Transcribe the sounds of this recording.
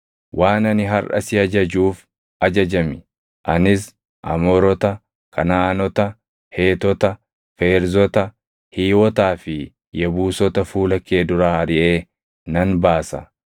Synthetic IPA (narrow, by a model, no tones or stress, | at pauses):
wʔaːnɐnɪɦɐrʔɐ̰sɪɐd͡ʒɐd͡ʒuːf | ɐd͡ʒɐd͡ʒɐmɪ | ʔɐnɪs | ʔɐ̰mɔːɾɔt̪ɐ | kʰɐnaɐnɔt̪ɐ | he̞ːt̪ɔt̪ɐ | feːɾzɔt̪ɐ | hiːwɔt̪aːfɪ | jɐbuːsɔt̪ɐfuːlɐkːe̞ːd̪ʊɾaːhɐɾɪʔe̞ː | nɐnbaːsɐ̰